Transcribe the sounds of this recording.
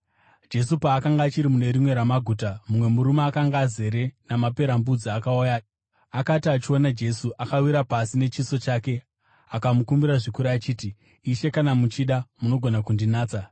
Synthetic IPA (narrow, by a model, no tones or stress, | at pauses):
d͡ʒe̞supaːkaŋɡaːt͡ʃiɾimune̞ɾimwe̞ɾamaɡʱuːtamumwe̞muɾumaːkaŋɡaːze̞ɾe̞namape̞ɾambud͡ziakauja | akatiat͡ʃio̞nad͡ʒe̞suʔakawiɾapasine̞t͡ʃiso̞t͡ʃake̞ | akamukumbiɾaʐikuɾaːt͡ʃiːtiː | ʃe̞kanamut͡ʃiɗamuno̞ɡʱo̞nakundinaːt͡sa